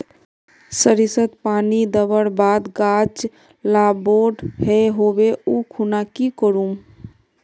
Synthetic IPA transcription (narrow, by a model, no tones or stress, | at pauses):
səɾisət̪panid̪əbəɽbad̪ɡat͡ʃ | laboɖheɦobeukʰunakikəɾum